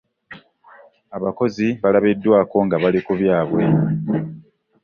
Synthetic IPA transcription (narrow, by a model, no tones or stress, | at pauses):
aβako̞ziβalaβedːwaːko̞ŋɡaβalikuβjaːβwe̞